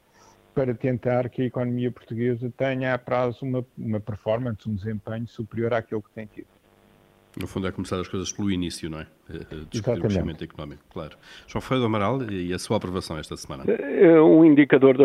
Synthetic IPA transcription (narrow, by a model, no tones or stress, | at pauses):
pɐɾɐt̪ẽnt̪aɾkɐikɔnumiɐpuɾt̪uɣezɐt̪ɐɲɐapɾazumɐumɐpɨɾfɔɾmɐ̃nsũd̪ɨzẽmpɐɲusupɾioɾakelˠk̚t̪ɐ̃j̃t̪iðu | nufũnd̪ɛkumsaɾɐʃkojzɐʃplˠuinisjunɐ̃w̃ɛ | ɛd̪ɨizatiɐmẽnimẽnt̪uikunɔmiku̥klˠaɾu | ʒ̥wɐ̃w̃fʁɐðɔmɐɾalˠiɛsuapɾuvɐsɐ̃w̃ɛʃt̪ɐsmã̰nɐ̰ɛũĩnd̪ikɐðoɾðɐ